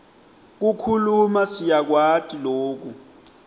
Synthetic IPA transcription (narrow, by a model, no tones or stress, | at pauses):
k̬ukʰulumasijak̬watʼiloːk̬u